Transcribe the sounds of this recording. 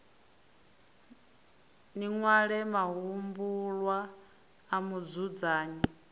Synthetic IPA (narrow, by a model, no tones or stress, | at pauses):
niŋwaɺɛmaɦumbulwaː | mud͡zud͡zaːɲi